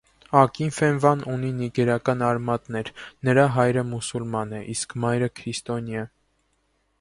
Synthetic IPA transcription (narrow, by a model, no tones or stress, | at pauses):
ɑkinfɛnvɑnuniniɡɛɾɑkɑnɑɾmɑt̪nɛɾnəɾɑɦɑjɾəmusulmɑnɛʔiskʰmɑjɾəkʰɾist̪ɔnjɑ